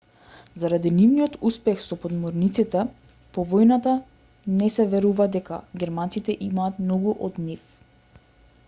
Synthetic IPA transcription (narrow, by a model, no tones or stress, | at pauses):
zaɾad̪inivniɔt̪uspɛxsɔpɔd̪mɔɾnit̪sit̪ɛ | pɔvɔjnat̪a | nɛsɛvɛɾuvad̪ɛka̰ɡʲɛɾmant̪it̪ɛʔimaːt̪mnɔɡuʔɔd̪nif